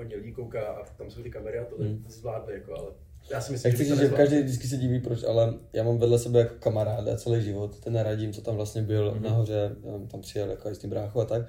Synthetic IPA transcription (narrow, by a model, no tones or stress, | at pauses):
ɦodɲɛlɪɲikowkaːʔat̪amsowt̪ɪkamɛɾɪat̪olɪzvlaːdmɛjakoʔa̰lɛ | jaːsɪmɪslijakt͡sɪsiʒɛkaʒdɛjvdɪt͡skɪs̬ɛɟiːviːpɾot͡ʃʔa̰lɛjaːmamvɛdlɛsɛbɛjako̥kamaɾaːda̰t͡sɛlɛjʒɪvot̪t̪ɛnɾaɟɪmt͡sot̪amvlast̪ɲɛbɪlnaɦor̝ɛt̪ampr̥ɪjɛljakoajist̪ibɾaːxuat̪ak̚